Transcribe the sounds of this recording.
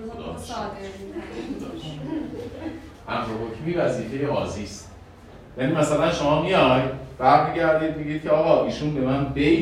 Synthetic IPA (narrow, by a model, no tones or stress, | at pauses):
od̪ɒ̰ːmʃ | od̪ː | ʔæmɾoɦocʰmiːvæziːfejeʔɒːziːst̪ | jæːniːmæsælænʃomɒːmijɒjd̪b̥æɾmiɟæɾd̪iːd̪̚meɡiːd̪̥̚kʲʰeɒːɣɒːʔiːʃuːnbe̞mænbe